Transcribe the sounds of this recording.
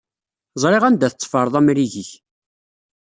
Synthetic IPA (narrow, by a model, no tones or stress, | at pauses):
zˤɾˤeʁænd̪æθət͡sːfəɾˤðˤæmɾiʝiç